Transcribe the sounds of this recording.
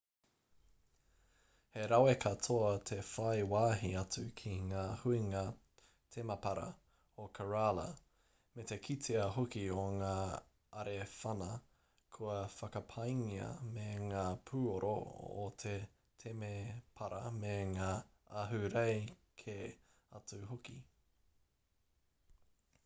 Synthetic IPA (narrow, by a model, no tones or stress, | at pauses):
he̞ɾɐwekʰɐtʰoɐt̪ʰe̞fɐjwaːɦiɐt͡sʉkʰiŋaːhuiŋa | t̪ʰemɐpɐɾɐ̰ | okʰɐɹalɐ̰ | met̪e̞kʰitʰeɐɦokioŋaː | ɐɾefɐnɐ | kʰuɐfɐkɐpʰɐjŋiɐ̰meŋaːpʰuːoɾʔo̰o̰t̪ʰe | t̪ʰemepʰɐɾɐmeŋaːɐɦʉɾejkʰe | ɐt͡sʉɦoki